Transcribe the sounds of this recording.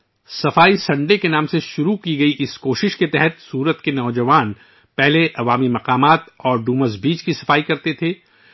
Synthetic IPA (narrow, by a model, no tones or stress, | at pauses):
sɐfaːisɐ̃ɳɖekenaːmseʃʊɾukiɡɐiʔɪskoːʃɪʃket̪ɛɦɛt̪suːɾət̪kenɔːd͡ʒɐʋaːn | pɛɦleʔɐʋaːmimɐqaːmaːt̪ɔːɾɖuːməzbiːt͡ʃkisɐfaːikɐɾt̪et̪ʰeː